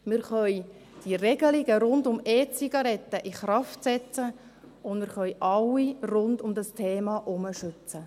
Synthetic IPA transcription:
mɪɾχœj | d̥irɛɡ̥əlɪɡəɾʊndʊmeːt͡siɡ̥ɑɾɛt̪ːəʔiχɾɑftsɛt͡sə | ʊnmɪɾχœjʔɑwirʊndʊmd̪əstʰeːmɑʔʊməʃʏt͡sə

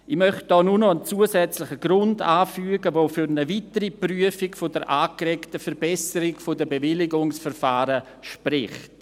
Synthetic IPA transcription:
ɪmœχt̚d̥ɔːnunɔənt͡suːəsɛt͡slɪχəɡɾʊndaːfyːɡəvoːfyɾnəvitəɾipryəfɪkfodəɾʔaːkrɛktəfɛɾbɛsəɾɪkfodəbevɪlɪɡʊŋsfɛɾfaːɾə | ʃpɾɪχt

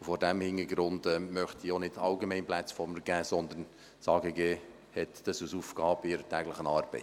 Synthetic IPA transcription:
ufɔɾdæmhɪnəɾɡɾʊndɛmœχtionɪd̥ɑʊɡemɛɪnplæt͡sfɔɾməɾɡ̥æːsɔnd̪ən | sɑːɡəɡeː | hɛt̪d̥ɑsusuːfɡɑːbɪɾətæːɡləχənɑːɾbɛt

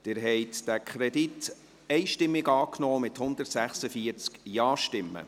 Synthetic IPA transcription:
d̥ɪɾɦɛjt̪d̥ækʰχɾɛdit | ɛɪʃtɪmːɪɡɑːknɔːmɪt̪hʊnd̪ərtsæχsəfiəɾt͡skjɑːʃtɪmːə̰

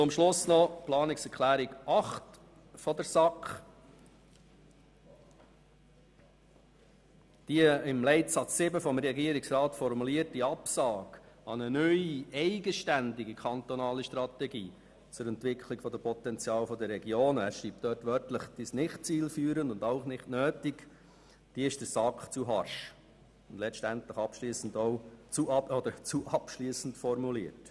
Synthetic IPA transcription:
t͡sʊmʃlʊsnɔplɑːnɪksɛɾkʰlæːɾɪɡɑχt | fɔd̪əɾsɑkχ | d̥iəɪmlɛɪtsɑt͡ssɪbəfɔmɾɛɡiːəɾɪksɾɑːtfɔɾmuliəɾt̚diɑpsɑːɡɑnənœʏiɛɪɡəʃtænd̪ɪɡikʰɑnt̪ɔnɑːləʃtrɑt̪ɛɡiː | t͡sʊɾɛntʋɪkχlɪɡfɔd̪əpʰɔt̪ɛnt͡sjɑːlfɔdəɾɛɡjoːnæsʃɾiːp̚td̥œɾtʋœɾtləχd̪̥isnɪχt̚t͡siːlfyːɾəndʊndaʊχnɪχtnøːtɪk | d̥iəɪʃd̥əɾsɑkχt͡suɦɑɾʃ | ʊnd̥lɛt͡ʃtæntləχɑpʃliːsəndoʊt͡suɑɔd̪əɾt͡suʔɑpʃliːsn̩tfɔɾmuliət

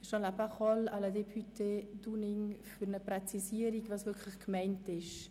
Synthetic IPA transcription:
ʃɑnlapaχɔlaləd̪ephyted̥unɪŋfyɾnəpɾɛt͡sisiəɾiɡvɑːsvɪkʰləχkmɛɪntɪʃ

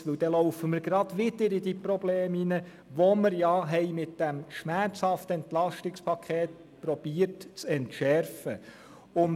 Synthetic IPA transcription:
ʋɪwd̥ɛlɔʊfəməɾɡ̥ɾɑd̥̪ʋɪd̥əɾidipɾobleːminə | ʋoməɾjɑɦɛɪmɪtd̥æmʃmæɾt͡shɑft̪əɛnt̪lɑʃtɪkspʰɑkʰeːt | pɾɔb̥iːərtt͡sɛntʃɛɾfə | ʊn

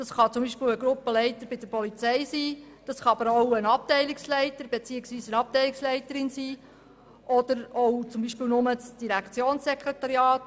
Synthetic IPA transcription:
d̥ɑsχɑt͡sʊmbiːʃpeːwəɡɾʊpːəlɛɪtəɾb̥ɪd̥əɾpɔlit͡sɛjsiː | d̥ɑsχɑɑb̥əɾowənɑp̚tɛɪlɪkslɛɪtəɾbet͡siːəksʋiːsənɑp̚tɛɪlɪkslɛɪtəɾɪnsiː | ʔɔd̥̪əɾowt͡sʊmbiːʃpɪːlnʊmət͡sd̥iɾækt͡sjoːnsːɛkɾet̪ɑɾjɑːt

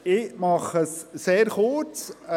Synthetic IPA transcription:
ɪmɑχəsːeːɾχort͡s

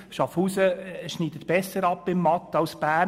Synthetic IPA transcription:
ʃɑfuːsəʃniːdət̪b̥ɛsəɾɑpːɪmːɑt̪ːɑwsb̥æː

